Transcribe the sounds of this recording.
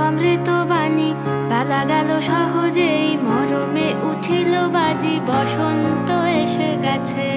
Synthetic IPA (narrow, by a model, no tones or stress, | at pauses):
ɔmɾit̪obani | balaɡaloʃɔɦod͡ʑejmɔɾomeʔuʈʰilobad͡ʑibɔʃont̪oeʃeɡɛt͡ɕʰe